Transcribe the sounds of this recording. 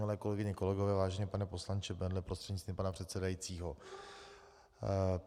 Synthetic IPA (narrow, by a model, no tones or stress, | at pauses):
ɪlɛːko̞lɛɡɪɲɪko̞lɛɡovɛːvaːʒɛɲɛpanɛpo̞slant͡ʃɛbɛndlɪpɾost̪r̥ɛdɲɪt͡st̪viːmpanapr̝̥ɛt̪sɛdajit͡siːɦo̞